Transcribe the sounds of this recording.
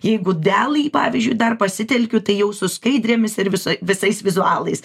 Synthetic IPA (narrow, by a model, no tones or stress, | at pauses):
jɛɪɡʊd̪ʲæːlˠɐːpɑːʋʲizʲd͡ʒʲʊɪd̪ɐrpɐsʲɪt̪ʲɛlʲkʲʊt̪ɐɪjɛʊsʊskɐɪd̪ʲɾʲeːmʲɪsɪɾʋʲɪsoɪʋʲɪsɐɪsʋʲɪzʊɑːlˠɐɪs